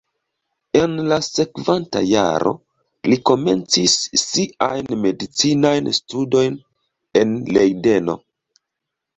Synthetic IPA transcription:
e̞nlase̞kvanta̰ja̰ɾo̞̰ | liko̞me̞̰nt͡sisːiajnme̞dit͡sinajnstudo̞jn | e̞nle̞jde̞no̞̰

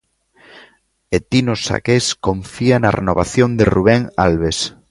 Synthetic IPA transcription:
et̪inosa̰keskoɱfianarʔḛnoβa̰θjond̪eruβ̞eŋalβes

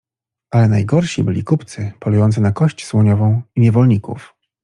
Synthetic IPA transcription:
ʔalɛnajɡɔɾɕibɘlʲikupt̪sɘpɔlujɔnt̪sɘnakɔɕt͡ɕswɔɲɔvɔ̃w̃iɲɛvɔlɲikṵf

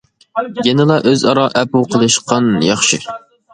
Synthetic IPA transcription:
jɛnɨlˠɑʔøzɑɾɑʔɛpuqʰəlˠɨʃqɑnjɑχʃi

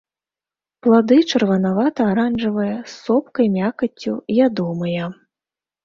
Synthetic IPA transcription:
plˠad̪ɨt͡ʂɐrvɐnavat̪ɐːɾanʐɨvɐjɐsːɔpkɐjmʲakɐt͡sʲːṵjʲad̪ɔmɐjɐ

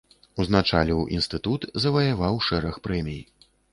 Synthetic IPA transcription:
uznat͡ʂa̰lʲiwʔḭnst̪ɨt̪ut̪zɐvɐjavawʂɛɾɐxpɾɛmʲij

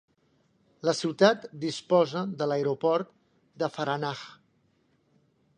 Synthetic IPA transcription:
ləsiwt̪at̪d̪ispɔzəðələeɾopɔɾt̪̚ | d̪əfəɾanax

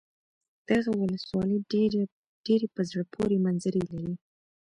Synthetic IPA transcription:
d̪̥aɣawʊləswɑləj | ɖ̥eɾepəzɽəpʰoɾemanzəɾəlaɾi

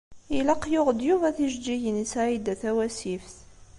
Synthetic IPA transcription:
ilɑqːjʊʁd̪juvæθiʒd͡ʒiʝənsaid̪æθæwæsifθ

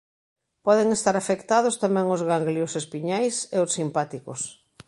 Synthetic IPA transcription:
pɔðeŋest̪aɾafekt̪aðʊst̪amɛ̃ŋozɣaŋɡliʊsespiɲajseʊsːimpat̪ikos

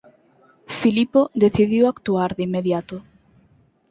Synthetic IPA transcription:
filipoðeθiðiwakt̪uaɾðeimːeðjat̪ʊ

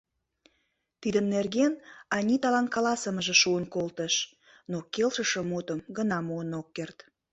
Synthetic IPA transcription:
t̪id̪ənːerɣenɑnʲit̪ɑlɑnkɑlɑsəməʒĕʃuənkolt̪əʃ | nokelʃəʃə̆mut̪əmɡənɑmuənokːert̪

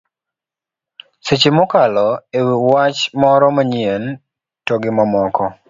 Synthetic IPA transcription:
set͡ʃimɔkalɔewiwat͡ʃmɔɾɔmaɲien | tɔɡɪmɔmɔkɔ

